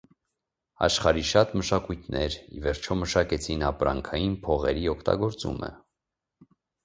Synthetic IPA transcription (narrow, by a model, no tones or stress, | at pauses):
ɑ̰ʃχɑɾiʃɑt̪məʃɑkujt̪ʰnɛɾivɛɾt͡ʃʰɔməʃɑkɛt͡sʰinɑpɾɑ̰ŋkʰɑjinpʰɔʁɛɾiɔkʰt̪ɑ̰ɡɔɾt͡sṵmʔə̰